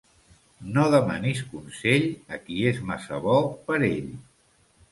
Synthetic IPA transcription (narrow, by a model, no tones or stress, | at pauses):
noðəma̰nis̬kunseʎəkiezmasəβɔpəɾeʎ